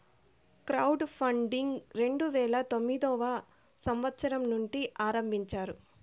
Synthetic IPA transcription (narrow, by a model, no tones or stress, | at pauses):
kɾɐwɖpʰɐɳɖiŋɡɾe̞ɳɖuʋɛːɭɐt̪o̞mːid̪ɔːʋɐ | sɐmʋɐt̪sɐɾɐmnuɳʈiʔaːɾɐmbʱiɲt͡ʃaːɾu